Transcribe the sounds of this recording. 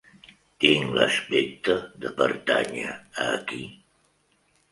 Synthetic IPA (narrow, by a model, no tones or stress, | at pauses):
t̪iŋləspɛk̚t̪əðəpəɾt̪aɲəəki